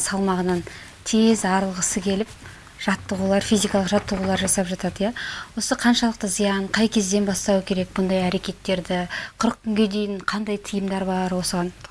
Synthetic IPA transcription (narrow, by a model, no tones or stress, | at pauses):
sɑlˠmɑʁənɑn | t̪ʰezɑɾəlˠʁəsəkʲʰe̞lɪp̚ | ʒ̥ɑt̪ːəʁulˠɑɾfizijkɑlˠəqʒɑt̪ːəʁulˠɑɾʒɑsɑpʒɑt̪ɑd̪əjawo̞səqʰɑnʃɑlˠəq̚t̪əzijɑɴqʰɑjkʲʰe̞zd̪e̞nbɑst̪ɑwəkʲʰe̞ɾe̞k̚bʊnd̪ɑjæɾe̞kʲe̞t̪ːe̞ɾd̪ɪqʰʊɾək̚kʲʰːʏŋɡʲe̞d̪e̞jɪɴqʰɑnd̪ɑjt̪ʰəjəmd̪ɑɾbɑɾwo̞səʁɑn